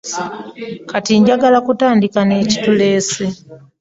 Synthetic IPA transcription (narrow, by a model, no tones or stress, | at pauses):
katiɲɟaɡalakutaːndikane̞ːci̥tule̞ːse